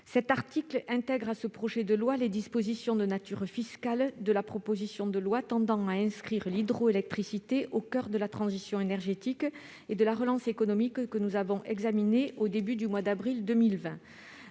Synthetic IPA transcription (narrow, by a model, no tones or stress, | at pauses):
sɛt̪aʁt̪iklɛ̃t̪ɛɡʁasəpχɔʒɛd̪əlwaled̪ispozisjɔ̃d̪ənat̪yʁfiskald̪əlapχɔpozisjɔ̃d̪əlwat̪ɑ̃d̪ɑ̃aɛ̃skχiʁlid̪ʁoelɛk̚t̪χisit̪eʔokœʁd̪əlat̪χɑ̃zisjɔ̃enɛʁʒet̪ik | ed̪əlaʁəlɑ̃sekɔnɔmikkənuzavɔ̃ʔɛɡzamineʔod̪ebyd̪ymwad̪abʁild̪əmilvɛ̃